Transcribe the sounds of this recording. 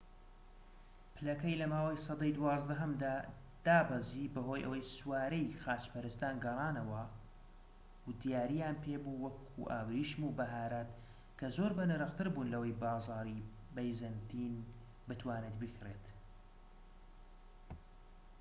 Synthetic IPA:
pʰɨlɐkɐjlɐmaːwɐjsˤɑd̪ejd̪uwɑːzd̪ɐɦɐmd̪aː | d̪̥aːbɐziːbɐɦo̞ːjʔɐ̰wɐjswaːɾejxaːt͡ʃpɐɾɨst̪aːnɡɐrˤɑːnɐwɐ | d̪ijaːɾijaːnpʰeːbuwɐkʰṵʔa̰ːwɾiʃmuːbɐɦaːɾat̪ | kʰɐzo̞ɾbɐnɨɾɨqt̪ɨɾbuːnlɐwɐjbɑːzɑːɾi | bɐjzɐnt̪ʰiːn | bɨt̪ʰwaːneːt̪bɨkʰret̪

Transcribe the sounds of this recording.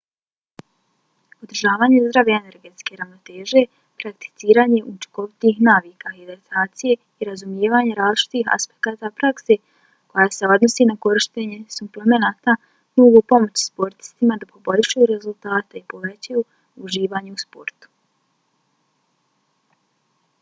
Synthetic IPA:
od̪rʒaːʋaːɲe̞zd̪ɾaʋeene̞ɾɡe̞t̪ske̞ɾaʋno̞t̪e̞ːʒe | pɾakt̪i̥t̪siːɾaːɲe̞ʔut͡ʃi̥ko̞ʋit̪ihnaːʋiːkaid̪et̪ʰaːt̪sije̞ | iɾazumje̞ːʋaːɲe̞ɾaːzlˠit͡ʃi̥t̪iɦa̰spekaːt̪apɾakse̞ | ko̞jaːse̞o̞d̪no̞sinako̞ɾiʃt̪eɲe̞supleme̞naːt̪a | noːɡopo̞mo̞t͡ɕspo̞ɾt̪i̥st̪imad̪apo̞bo̞ʎʃajuɾe̞zulˠt̪aːt̪aipo̞ʋe̞t͡ɕaju | uʒiːʋaːɲeuspo̞ɾt̪u̥

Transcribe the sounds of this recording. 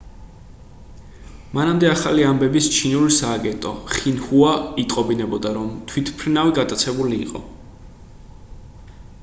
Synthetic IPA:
manamd̪ɛaχaliambɛbist͡ʃʰinulisaːɡɛnt̪ʼɔχinhuait̪ʼqʼɔbinɛbɔd̪aɾɔmt̪ʰwit̪ʰpʰɾinaviɡat̪ʼat̪sʰɛbulḭːqʼɔ̰

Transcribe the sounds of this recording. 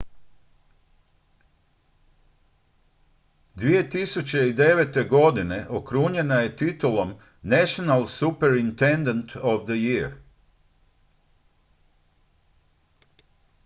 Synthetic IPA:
d̪ʋije̞t̪isut͡ɕe̞id̪e̞ʋe̞t̪e̞ɡo̞d̪ine̞ʔokɾuːɲe̞naje̞t̪it̪ulom | nɛʃonalsupeɾint̪end̪ant̪ʰoʋd̪əjiɾ

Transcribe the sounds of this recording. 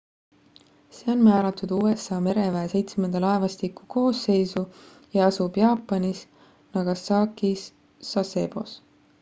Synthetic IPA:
se̞ːo̞nmæːɾɑt̪ːˑud̪̥uːe̞sɑːme̞ɾe̞væese̞jt̪smend̪̥ɑlɑevɑst̪ikːu̥ko̞ːsːe̞jsu | jɑɑsub̥jɑːpːˑɑnis | nɑɡ̥ɑsɑːkisː | ɑse̞ːbo̞̰s

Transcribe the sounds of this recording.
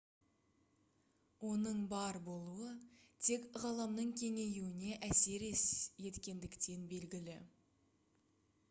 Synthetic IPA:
wo̞nəɴbɑɾbo̞lˠuət̪ʰe̞kʁɑlˠɑmnəɴkʲʰe̞ŋe̞juwɪne̞ʔæse̞ɾesje̞t̪kʲe̞nd̪ɪkt̪e̞nbe̞lɡʲɪlɪ

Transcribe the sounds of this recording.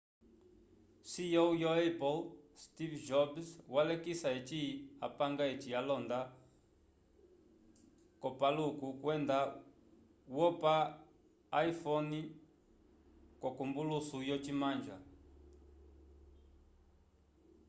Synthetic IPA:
sijɔujɔɛpɔlstivd͡ʒɔbswalɛkisaɛt͡ʃia̰paŋɡaɛt͡ʃialɔnd̪a | kɔpalukukwɛnd̪a | wɔpaː | ifɔni | kɔkumbulusujɔt͡ʃimand͡ʒa

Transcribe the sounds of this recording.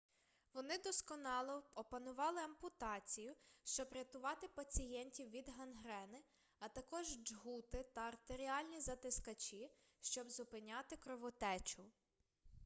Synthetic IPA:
ʋɔnɪd̪ɔskɔnɑlˠɔɔpɐnʊʋɑlˠɪɐmpʊt̪ɑt͡sʲijʊʃt͡ʃɔbɾʲɐt̪ʊʋɑt̪ɪpɐt͡sʲijɛnʲtʲiwʋʲid̪ɦɐnɦɾɛnɪ | ɐt̪ɐkɔʒd͡ʒɦut̪ɪt̪ɐɐrt̪eɾʲiɑlʲnʲizɐt̪ɪskɐt͡ʃi | ʃt͡ʃɔbzʊpɪnʲɑt̪ɪkɾɔʋɔt̪ɛt͡ʃʊ

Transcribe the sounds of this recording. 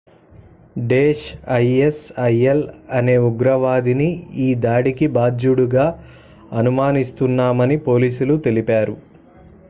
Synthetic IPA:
ɖeːʃɐjesɐjelɐne̞ːuɡɾɐʋaːd̪iniiːd̪aːɽikibaːd͡ʒuɽuɡaː | ɐnumaːnist̪unːaːmɐnipo̞ːliːsulut̪e̞lipaːɾu

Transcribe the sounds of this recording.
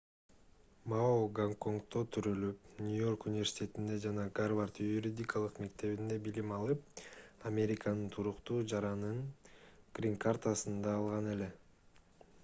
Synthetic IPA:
maoɡaŋko̞ŋkt̪o̞t̪ʰyɾylypnʲujo̞rkunʲɪvʲersʲi̥tʲe̞t̪ind̪e̞d͡ʒɑnɑɡarvart̪juɾʲid̪ʲikalˠɯqme̞kt̪e̞βind̪e̞bilimɑlˠɯp̚ɐmʲe̞ɾʲikanɯnt̪ʰuɾuqt̪uːd͡ʒɑɾɑnɯŋ | ɡ̥rʲiŋkart̪asɯnd̪ɑːlˠʁɑne̞le̞

